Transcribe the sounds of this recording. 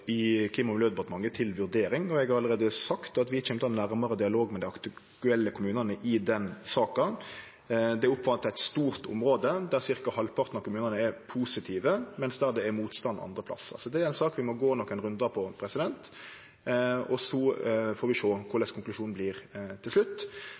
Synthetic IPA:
ɪkʰliːmɑmɪljøːd̪əbɑt̪mɑŋːət̪ʰɪlʋʉɾd̪eːɾɪŋɔɛɡhɑɾɑləɾeːd̪əsɑkt̪ɑt̪ʋɪt͡ʃʰɛmt̪ɑɛnːæʁmɑɾəd̪ɪɑloːɡmɛd̪ɪɑkt̪t̪ʉɛlːəkʰʊmʉːnənəʔɪd̪ɛnsɑːkɑ | d̪ɛæɾʊpːʋɑnt̪ːæɪt̪st̪uːɾt̪ʊ̰mɾoːd̪əd̪æɾsɪɾkɑhɑlpʰɑɾt̪nɑʋkʰʊmʉːnənəɛpʰuːsɪt̪ʰiːʋəmɛnsd̪æɾd̪ɛːɾmuːt̪st̪ɑn̰ɑ̰nd̪ɾəpʰlɑ̰sːəʁɑ̰sɔd̪ɛæɾæɪnsɑːkʋɪmɔɡoːnɔkːæɪnʁʉnd̪ɑpʰɔpʰɾɛsɪd̪ɛnt̪ | ɔsɔfoːɾʋɪʃoːkʰʊɾlɛskʰʊŋklʉʂuːnn̩bliːʁt̪ʰɪlslʉt̪ː

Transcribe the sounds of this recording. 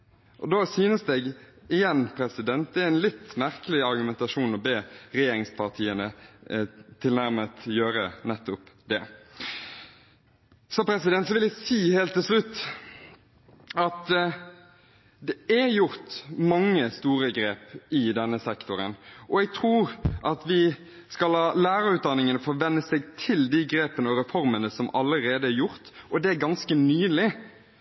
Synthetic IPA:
ʔɔd̪oːsyːnəsd̪ɛːɡ | ɪjɛnːpʰɾɛsɪd̪ɛnt̪̚d̪ɛæɾænlɪt̪ːmæʁkəlɪɑɾɡʉmɛnt̪ɑʂuːnɔbeːɾɛjeːɾɪŋspʰɑʁt̪ʰiːənə | t̪ʰɪlnæɾmət̪jøːɾənɛt̪ːʊpd̪ɛ | sɔpʰɾɛsɪd̪ɛnt̪sɔʋɪlæɪsiːheːlt̪ʰːɪlʂlʉt̪ː | ɑt̪ | d̪ɛæjʊɾt̪mɑŋːəst̪uːɾəɡɾeːpɪd̪ɛnːəsɛkt̪ʊɾə̰nʔɔɛɡ̚t̪ʰɾuːʁʔɑt̪ʋɪ | skɑlhɑːlæːɾəɾʉːt̪̚d̪ɑnːɪŋənəfɔʋɛnːəsɛɡt̪ʰɪld̪iɡɾeːpənəɔɾɛfɔɾmənəsɔmʔɑləɾeːd̪əæɾjʊʁt̪ɔd̪ɛæɾɡɑnskənyːlɪ

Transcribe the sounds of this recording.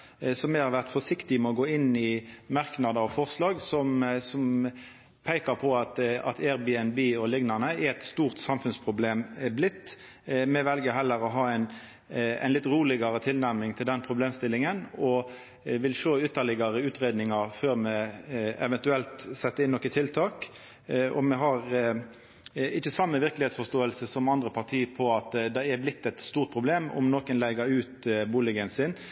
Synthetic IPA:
sɔmɛhɑɾʋæʁt̪fɔʂɪkt̪ɪmɛɔɡoːɪnːɪmɑʁknɑd̪əɔfɔʁslɑːɡsɔmsɔm | pʰæɪkəʁpʰɔɑt̪ɑ̰t̪ʰæʁbiɛnbiːɔlɪɡnɑnəɛɛt̪st̪uːʁt̪sɑmfʉnspʰʁʊbleːmblɪt̪ː | mɛʋɛlɡəɦɛlːəɾɔɦɑːɛɪn | ɛ̰ɪnlɪt̪ʁuːlɪɡɑɾət̪ʰɪlnæʁmɪŋt̪ʰɪld̪ɛnpʰʁʊbleːmst̪ɪlːɪŋənɔ | ʋɪlʃoːʏt̪ːəlɪɡəɾəʉːt̪ʁeːd̪nɪŋɑɾføːɾmɛɛʋɛnt̪ʉɛlt̪sɛt̪ːəɪnːɔkːət̪ʰɪlt̪ʰɑːk | ɔmɛɦɑʁ | ɪçːəsɑmːəʋɪʁklɪheːt̪sfɔst̪oːəlsəsɔmɑnd̪ɾəpʰɑʁt̪ʰiːpʰɔɑt̪d̪ɛæblɪt̪ːɛt̪st̪uːʁt̪̚pʰʁʊbleːmɔ̰mnoːkənlæɡəɾʉːt̪buːlɪɡənsɪn

